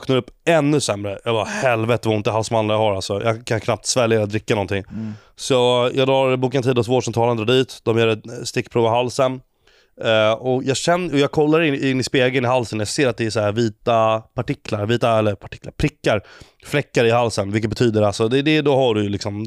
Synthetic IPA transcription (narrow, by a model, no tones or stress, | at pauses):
kʰɔnaɾɵpːɛnːɵsɛmːɾəjɑːɡbɑːɾahɛlvɛt̪əvaɾɪnt̪əɦalsɔmand̪ɾahaɾalsɔjɑ̰kʰankʰnap̚t̪svɛlːjaɾat̪̚d̪ɾɪkːanɔnt̪ɪŋ | sɔɔjɑːɡd̪ɾɑːɾbuːkant̪ʰiːd̪ɔsvoːʂɔmt̪ʰɑːlənd̪ɾɑːɖ̪iːt̪d̪ɔmjœːɾɛst̪ɪkːpʰɾuːvaɦalsən | ɔjɑːɡɕɛnːɔjɑːɡ̚kʰɔlːaɾɪɪnːɪspeːɡənɪɦalsənjaɡseːɾat̪̚d̪ɛæʂahæːɾviːt̪apʰaʈɪkʰlaɾviːt̪aɛlːəɾpʰaʈʰɪ̥klaɾpʰɾɪkːaɾ | flɛkːaɾɪɦalsənvɪlk̬ːət̪bɛt̪ʰyːd̪əɾalsɔd̪ɛd̪ɛd̪ɔhaɖɵjɵlɪksɔm